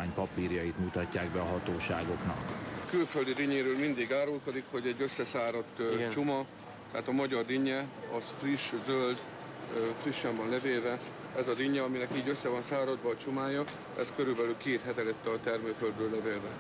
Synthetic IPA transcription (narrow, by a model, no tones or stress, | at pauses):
aːɲpɒpiːrjɒjit̪mut̪ɒcːaːɡbɛɒɦɒt̪oːʃaːɡo̞knɒ̰kkylføld̪id̪iɲeːɾøːlmind̪iɡaːɾolko̞d̪ikho̞ɟɛɟːø̞sːɛsaːɾo̞t̪ːt͡ʃumɒ | t̪ɛaːt̪ɒmɒɟɒrd̪iɲːɛɒfriʃzøld̪ | friʃːɛmbɒnlɛveːlvɛ | ɛzɒd̪iɲːɛɒminɛkiːɟøsːɛvɒnsaːɾɒd̪ʋɒːt͡ʃumaːjɒ | ɛ̰skø̞ɾylbɛlylkeːt̪hɛt̪ɛlɛt̪ːɛt̪ɛrmøːføld̪bøːlːɛveːlvɛ